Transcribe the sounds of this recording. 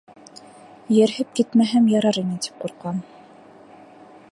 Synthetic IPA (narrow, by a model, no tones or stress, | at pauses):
jɘ̆ɾhɘp̚kit̪mæɦæmjɑɾɑɾinɘt̪i̥p̚quɾqɑn